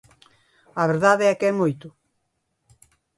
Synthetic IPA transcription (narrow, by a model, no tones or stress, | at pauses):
ɐβeɾðaðeɛkɛmojt̪ʊ